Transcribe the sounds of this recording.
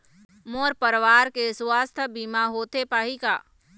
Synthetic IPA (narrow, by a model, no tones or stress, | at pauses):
moːɾpəɾʋaːɾkeswaːst̪ʰbiːmaɦoːt̪epaːɦika̰ː